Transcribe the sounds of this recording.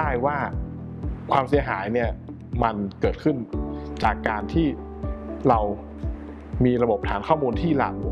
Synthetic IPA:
aː˥˩jwaː˥˩ | kʰwaː˧msi˩˦ɐɦaː˩˦jni˥˩ɐ | ma˧nkɤː˨˩t̪̚kʰɯ˥˩nt͡ɕaː˨˩kːaː˧nt̪ʰiː˥˩ | ɾa˧w | miː˧ɾa˧bo˨˩p̚t̪ʰaː˩˦nkʰɔː˥˩muː˧nt̪ʰiː˥˩la̰˨˩k̚

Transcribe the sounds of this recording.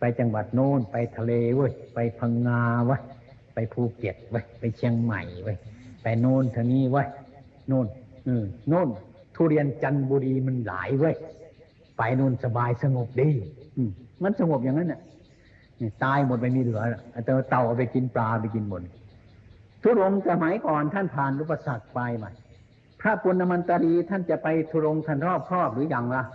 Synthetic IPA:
pa˧˨jt͡ɕa˧ŋba˨t̪̚noː˧˥˨npa˨jt̪ʰa˧leː˧wəː˧˥˨jpa˧˨jpʰa˧ŋːaː˧wa˧˨j | pa˧jpʰuː˧˩ke˨˩t̪̚wa˧˥˩jpa˧jkʰi˧ə˧ŋma̰˨˩jwa˧˩jpa˧˨˩jnoː˧˥˨nt̪ʰa˧niː˧˥˨wa˧˨j | noː˧˥˩nʔɯː˧˩oː˧˥˨n | t̪ʰuː˧˨ɾi˧ənt͡ɕa˧nbɔː˧ɾiː˧ma˧˥˨nla̰ː˨˦jwo˧˥˨j | pa˨˩jnoː˧˥˩nsa˧baː˧jsa˧ŋo˨˩p̚diː˧˩ʔɯː˧˩ma˧˥˨nsa˧ŋo˨˩p̚ja˨ŋːa˧˥˨nːʔa˧˩˨ | ʔaː˧˩t̪aː˧jmo˨˩t̪̚ma˧˩jmiː˧lɯ˨˦ɐla˧ʔa˧˩t̪ɛː˧wt̪a˧˩wʔa˧˩pa˧jki˧nplaː˧pa˧˩jki˧nmo˨˩t̪̚ | t̪ʰu˧˨ɾo˧msa˧ma˨˦jkɔː˨˩nt̪ʰa˥˨npʰaː˨˩nʔu˧˥pa˧sa˨˩k̚pa˧jma˧˩j | pʰɾa˦˥pu˧ənːa˧ma˧nt̪a˧ɾiː˧t̪ʰa˥˩˨nt͡ɕa˨˩ʔpa˧jt̪ʰu˧ɾo˧ŋt̪ʰa˧˥˨nɾʰɔː˥˩p̚ʰɾɔː˥˩p̚lɯː˨˦ja˨˩ŋla˧

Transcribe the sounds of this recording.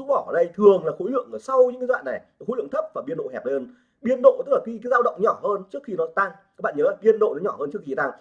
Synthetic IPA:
u˦˥ɓɔ˧˩ʔəː˨˩ɗə˧jt̪ʰɨ˨˩əŋlaː˨˩xo˨˦jlɨ̰˧˨əŋʔəː˨˩sa˧wɲɨ̰˧˥ŋkːzwa̰ː˧˨nːa˨˩j | xo˨˦lɨ̰˧˨ŋt̪ʰə˦˥p̚vaː˨˩ɓi˧nɗo̰˧˨hɛ˨˩p̚həː˧n | ɓi˧ənɗo̰˧˨t̪ɨ˦˥k̚laː˨˩i˧kaː˨˦zaː˧wɗə̰˧˨wŋ͡mɲɔ˧˩ɦəː˧nt͡ɕɨ˦˥ək̚xi˧nɔ˨˦t̪a˧ŋ | aː˦˥k̚ɓa̰ː˧˨ɲəː˨˦laː˨˩ɓi˧ənɗo̰˧˨nɔ˨˦ɲɔ˧˩həː˧nt͡ɕɨ˦˥əkxi˧˩t̪a˧˩ŋ

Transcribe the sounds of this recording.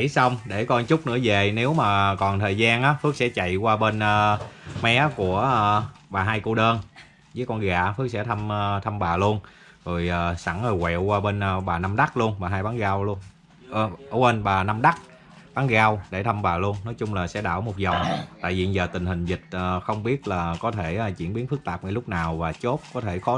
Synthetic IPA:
i˧˦sa˧wŋ͡mɗe˧˩kɔ˧nt͡ɕʊ˦˥k͡p̚nɨ̰˧˥əze˨˩ne˨˦wmaː˨˩kɔ˨˩nt̪ʰəː˨˩jzaː˧nʔaː˨˦fɨ˦˥ək̚sɛ̰˧˥t͡ɕa̰˧˨jkwaː˧ɓe˧nəː˧mɛ˨˦ku˧˩ə˧ɓaː˨˩ɦaː˧jku˧ɗəː˧n | zəː˨˦jkɔ˧nɣa̰ː˧˨fɨ˦˥ək̚sɛ̰˧˥t̪ʰə˧mː˧t̪ʰə˧mɓaː˨˩lu˧ən | zo˨˩jʔaː˨˩sa˧˩ŋhəː˨˩wɛ̰˧˨wkwaː˧ɓe˧nː˧ɓaː˨˩na˧mɗa˦˥k̚lu˧ənɓaː˨˩ɦaː˧jɓaː˨˦nɣaː˧wlu˧ənː˨˩ | əː˧˩we˧nɓaː˨˩na˧mɗa˦˥k̚ | ɓaː˨˦nɣaː˧wɗe˧˩t̪ʰə˧mɓaː˨˩lu˧ənːɔ˨˦jt͡ɕʊ˧ŋ͡mlaː˨˩sɛ̰˧˥ɗaː˧˩wmo˨˩t̚zə˨˩wŋ͡mt̪a̰ː˧˨jvḭ˨zəː˨˩t̪ï˨˩ŋ̟hï˨˩ŋ̟zï˨˩k̚ʔəː˨˩xə˧wŋ͡mɓi˦˥ət̚laː˨˩kɔ˨˦t̪ʰe˧˩˨t͡ɕwi˧˩ənɓi˨˦ənfɨ˦˥k̚t̪aː˨˩p̚ŋa˧˦lʊ˦˥k͡p̚naː˨˩wvaː˨˩t͡ɕo˦˥t̚kɔ˨˦t̪ʰe˧˩xɔ˨˦

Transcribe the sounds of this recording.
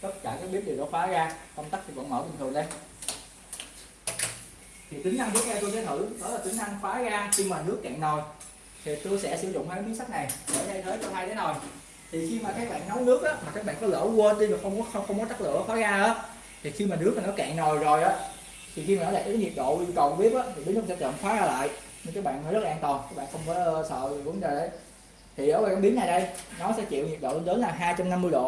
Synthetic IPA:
kə˦˥t̚ka̰ː˧˩kaː˦˥k̚ɓi˦˥ət̚ɗi˨˩wɗo̰˧˨˦fwaː˨˦ɣaː˧kə˧wŋ͡mt̪a˦˥k̚t̪ʰi˨˩kɔ̰˧˨nməː˧˩ɓï˨˩ŋ̟t̪ʰɨ˨˩ŋɗə˧˦j | t̪ʰi˨˩t̪ï˨˦ŋ̟ʔ̪a˧nɨ˦˥k̚a˧t̪u˧jsɛ˧˦t̪ʰɨ̰˧˩ɗɔ˨˦laː˨˩t̪ï˨˦ŋʔʰa˧ŋfaː˨˦ɣaː˧xi˧maː˨˩nɨ˦˥əkːɛ̰ː˧˨ŋno˨˩j | t̪ʰi˨˩t̪u˧jsɛ̰˧˥sɨ̰˧˩zʊ̰˧˨ŋ͡mt̪ʰəː˨˦˥ɓi˨˦ənsa˦˥k̚na˨˩jsə̰ː˧˩jt̪ʰe˧jt̪ʰeː˨˦t͡ɕɔ˧ŋ͡mhaː˧j̪ə˨˦no˨˩j | t̪ʰi˨˩xi˧maː˨˩t̪ʰə˨˦kɓa̰ː˧˨nːɔ˨˦wnɨ˦˥ək̚ʔaː˨˦maː˨˩kaː˦˥k̚ɓa̰ː˧˨nkɔ˨˦lə̰ː˧˩kəː˧t̪i˧vaː˨˩xə˧wŋ͡mkɔ˨˦xə˧wŋ͡mxə˧wŋ͡mkɔ˨˦t͡ɕ̪a˦˥k̚lɨ̰˧˥əxwaː˨˦ɣaː˧ʔaː˨˦ | t̪ʰi˨˩xi˧maː˨˩nɨ˦˥ək̚maː˨˩ɔ˨˦jka̰˧˨ŋno˨˩jzo˨˩jʔaː˨˦˥ | t̪ʰi˨˩xi˧maː˨˩nɔ˨˦˥la˨˩˨kːaː˨˦ɲi˨˩k̚ɗo̰˧˨ʔi˧kə˨˩wɓi˦˥ət̚ʔaː˨˦t̪ʰi˨˩i˨˦nɨː˦˥˩sɛ˧˥t͡ɕɔ̰ː˧˨nxwaː˨˦ɣaː˧la̰ː˧˨j | ɲɨ˧nkaː˨˦˥kɓa̰ː˧˨nːmɔ˨˦jzə˦˥t̚la˨ʔːnt̪ɔ˨˩nkaː˦˥k̚ɓ̰aː˧˨xə˧wŋ͡mkɔ˨˦sə̰ː˧˨˩və˨˦ŋzə˨˩ɗə˨˦j | t̪ʰi˨˩ʔəː˧˩vaː˨˩kaː˨˦˥ɓi˨˦əna˨˩jɗə˧jnɔ˨˦sɛ̰˧˥t͡ɕḭ˧˨wɲi˨˩ək̚ɗo̰˧˨lə˧nɗə˨˦nlaː˨˩ɦaː˧jt͡ɕa˧mna˧mːɨ˧jɗo̰˧˨

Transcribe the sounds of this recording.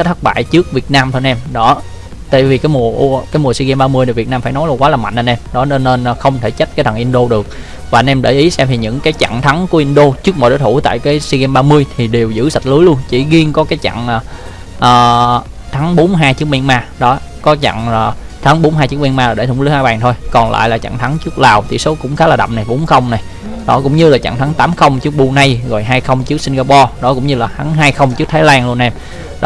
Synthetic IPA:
t̚t̪ʰə˦˥k̚ɓa̰ː˧˨jt͡ɕɨ˦˥ək̚vi˨˩ət̚naː˧mt̪ʰo˧nʔɛ˧mɗɔ˨˦ | t̪a̰˧˨jvi˨˩kaː˨˦jmu˨˩əʔu˧˩kaː˨˦jmu˨˩swi˧ɣɛ˧mɓaː˧mɨ˧əjni˨˩vi˨˩ənaː˧mfaː˧˩jnɔ˨˦jlwaː˨˦laː˨˩ma̰˧˨ŋ̟ʔə˧nʔɛ˧mɗɔ˨˦n˧ne˧nː˨˦xə˧wŋ͡mt̪ʰe˧˩t͡ɕə˦˥t̚kːt̪ʰa˨˩ŋʔi˧nɗo˧ɗɨ˨˩ək̚ | vaː˨˩˧nʔɛ˧mɗe˧˩ʔi˨˦sɛ˧mt̪ʰi˨˩ɲɨ̰˧˥ŋkaː˨˦jt͡ɕa̰˧˨ŋt̪ʰa˨˦ŋku˧˩əʔi˧nɗo˧t͡ɕɨ˦˥k̚mɔ̰˨jɗo˨˦t̪ʰu˧˩˦t̪a̰ː˧˨jkaː˨˦jswi˧ɣɛ˧mɓaː˧mɨ˧əjt̪ʰi˨˩ɗe˨˩wzɨ̰˧˥sa˨˩t̚lɨ˨˦jlu˧ənt͡ɕḭ˧˩ɣi˧əŋkɔ˨˦kaː˨˦jt͡ɕa̰˧˨ŋaː˨˩ | ʔəː˨˩ | t̪ʰa˨˦ŋɓo˨˦nɦaː˧jt͡ɕɨ˦˥ək̚mi˧ənmaː˧ɗɔ˨˦ | kɔ˨˦t͡ɕa̰˧˨ŋlaː˨˩ | t̪ʰa˨˦ŋɓo˨˦nɦaː˧jt͡ɕɨ˦˥k̚mi˧nmaː˧aː˨˩ɗe˧˩t̪ʊ˧˩ŋ͡mliː˨˦haː˧jɓaː˨˩ŋt̪ʰo˧jkɔ˨˩nla̰ː˧˨jlaː˨˩t͡ɕa̰˧˨ŋt̪ʰa˨˦ŋt͡ɕɨ˦˥k̚laː˨˩wt̪ḭ˨˧˩so˨˦kʊ̰˧˥ŋ͡mxaː˦laː˨˩ɗa̰˧˨wm̚na˨˩jɓo˨˦nxə˧wŋ͡mna˨˩j | ɗɔ˨˦kʊ̰˧˥ŋ͡mɲɨ˧laː˨˩t͡ɕa̰˧˨ŋt̪ʰa˨˦ŋt̪aː˨˦mxə˧wŋ͡mt͡ɕɨ˦˥ək̚ɓu˧na˧jɣo˨˩jɦaː˧jxə˧wŋ͡mt͡ɕɨ˦˥ək̚si˧nŋɣaː˧pɔ˧ɗɔ˨˦kʊ̰˧˥wŋ͡mɲɨ˧laː˨˩t̪ʰa˨˦ŋɦaː˧jxə˧wŋ͡mt͡ɕɨ˦˥k̚t̪ʰaː˨˦laː˧ŋlu˧ənʔɛ˧m | ɗ

